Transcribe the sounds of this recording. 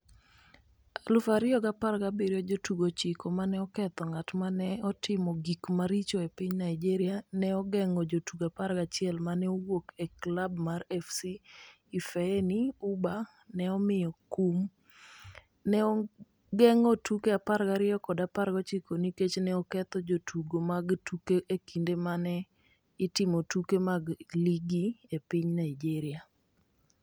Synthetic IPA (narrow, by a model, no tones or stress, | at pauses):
alʊfaɾɪɔɡaparɡabiɾjod͡ʒotuɡot͡ʃikomanɛɔkɛt̪ɔŋatmanɛɔtɪmɔɡikmaɾit͡ʃoepɪɲnaid͡ʒiɾɪjanɛɔɡɛŋɔd͡ʒotuɡapaɾɡat͡ʃɪɛlmanɛowokeklabmarɛfsiː | fɛniuba | nɛɔmɪjɔkum | nɛɔ | ɡɛŋɔtukeaparɡaɾɪɔkɔdaparɡɔt͡ʃikoniket͡ʃnɛɔkɛt̪ɔd͡ʒotʰuɡomaɡtukeʔekindemanɛ | ɪtɪmotukemaɡliɡiepiɲnaɪd͡ʒiɾɪa